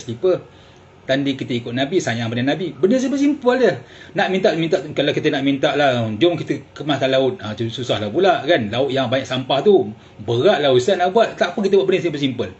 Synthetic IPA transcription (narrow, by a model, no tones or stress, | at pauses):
səlipə | t̪andikit̪əikʊt̪̚nabisajaŋpənanabibənəs̬ipəsimpəldənaʔmint̪aʔt̪umĩnt̪aʔt̪kalakit̪ənaʔmint̪aʔlahd͡ʒʊmkit̪əkəmahk̪anlaʊt̪̚aususahlapulaʔkanlaʊt̪̚jaŋbaɲaʔsampaht̪u | bəɣaʔlaisaʔnaʔbuat̪̚t̪aʔpəkit̪̬əbuat̪ʔ̚bənəsipəsimpəl